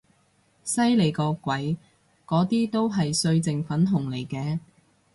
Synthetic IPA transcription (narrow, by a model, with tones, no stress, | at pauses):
sɐ˥jle˨˧˩jkɔː˧kʷwɐ˨˥j | kɔː˨˥t̪iː˥t̪o˥wɦɐ˨jsɵ˧ɥt͡sɪ˨ŋfɐ˨˥nɦʊ˨˩ŋle˨˩jkɛː˧